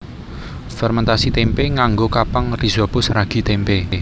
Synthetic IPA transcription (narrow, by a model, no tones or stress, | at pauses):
fɛrmɛnt̪asit̪empeŋaŋɡokapaŋrizɔb̥ʊ̤sraɡ̥i̤t̪empe